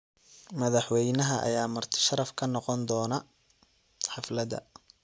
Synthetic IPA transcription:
mɐðɑħwɛjnɐɦɐʔɐ̰jaːmɐrt̪ʰɪ̥ʃɐɾɐfkʰɐnɔqɔnd̪ɔːnɐ | ħɑflɐðɐ̰

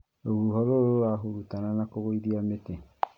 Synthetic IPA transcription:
oɣuɦɔɾoɾoɾaɦoɾutananakoɣoiðiamete

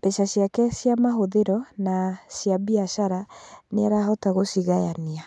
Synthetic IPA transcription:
bɛʃasjakɛsjamaɦoðeɾɔnasjaβiaʃaɾaneaɾaɦɔtaɣosiɣajania

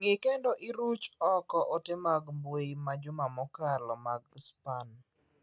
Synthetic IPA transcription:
ŋɪkendoʔɪɾut͡ʃɔkɔʔɔtɪmaɡmbweimad͡ʒʊmamɔkarlɔmaɡspan

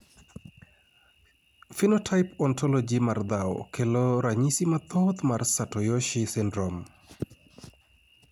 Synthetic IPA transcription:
finɔtʰajpɔntʰɔlɔd͡ʒimard̪aw̰kʰelɔɾaɲisimat̪ot̪marsatɔjɔʃɪsɪndɾɔm

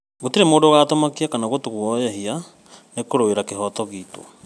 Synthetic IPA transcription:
ɣotiɾemoːndoɣatomakiakanaɣotuɣwɔjɛɦia | nekoɾoeɾakeɦɔtɔɣiːto̰

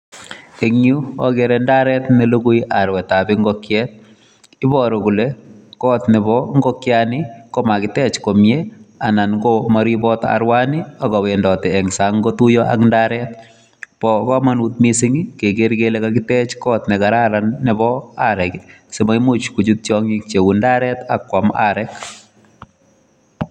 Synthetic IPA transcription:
eŋjuɔɡeɾɛndaɾɛt̪nɪloɡujʔaɾwɛtabɪŋɡɔkjɛt̪̚ | ɪbɔɾokulekɔt̪nɪbɔŋɡɔkjanɪkɔmakɪtɛt͡ʃkomjeanankomaɾibɔta̰ɾwanɪɔkɔwendɔtɪɛŋsaŋɡot̪ujɔʔa̰ŋndaɾɛt̪ | pɔkɔmanut̪misɪŋikeɡeɾɡelekakɪtɛt͡ʃkɔt̪nɛkaɾaɾanːɪbɔaɾɛksemaɪmut͡ʃkud͡ʒut̪̚t͡ʃjɔŋik̚t͡ʃewundaɾɛt̪akwama̰ɾɛk

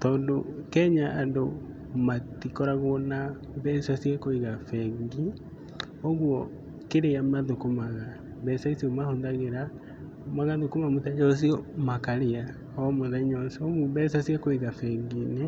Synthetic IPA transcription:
tɔːndokɛɲaʔando | matikɔɾaɣwɔna | bɛsasiɛkoiɣafɛɡi | oɣwɔ | keɾeamaðokomaɣa | βɛsaisiɔmahondaɣeɾa | maɣaðokomamotad͡ʒɔs̬iɔmakaɾea | ɔmoðɛɲɔsomuβɛsasiɛkoiɣafɛɡine

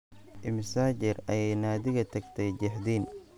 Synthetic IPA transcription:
ʔɪmɪsaːt͡ʃɪrɐjɛjnaːd̪ɪɣɐt̪ʰɐɡt̪ʰɛjd͡ʒɪħd̪iːn

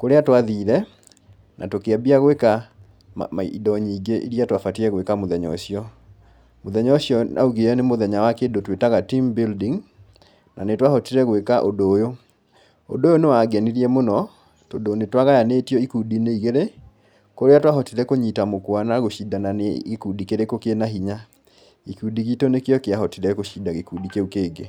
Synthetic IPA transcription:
koɾeatwaðiɾɛ | nʔa̰tokeabiaɣweka̰ | midɔɲiːɡeʔḭɾiatwafatiɾɛɣwekamoðɛɲɔ̰ɕiɔ | moðɛɲɔɕjɔnʔa̰uɣeɛnemoðɛɲawakedotwetaɣatimbildiŋ | nanetwahɔtiɾɛɣwekaʔodojo | o̰dojonewaɡɛniɾiɛmonɔ | todonetwaɣajaneːtjɔikudineiɣeɾe | koɾeatwaɦɔtiɾɛkoɲitamokwanaɣoʃidananeekudikeɾekokenaɦiɲa | ikudiɣitonekeɔkeaɦɔtiɾɛkoʃidaɣekudikeukeːɡe

